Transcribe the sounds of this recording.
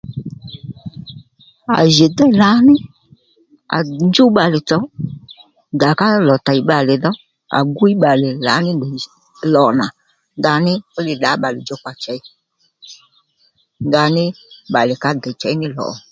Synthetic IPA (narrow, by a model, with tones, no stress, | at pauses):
a̰˨ʒe˨dɛ˦la˨˦nɪ˦ | a̰˨nd͡ʒu˦ɓa˨lɪ˨t͡sɔ˨˦ | nda˨ka˦lɔ˨ta˨i˦ɓa˨lɪ˨ðɔ˦ | a̰˨ɡu˦i˦ɓa˨lɪ˨la˨˦nɪ˦˨ | lɔ˨na˨ | nda˧˦nɪ˦ʊ˦lɪ˨ɗa˨˦ɓa˨lɪ˨d͡ʒɔ˦k͡pa˨t͡ʃɛ˨˦i˦ | nda˧nɪ˦ɓa˨lɪ˨ka˦dɛ˨t͡ʃɛ˨˦i˦nɪ˦lɔ̰˨ɔ˨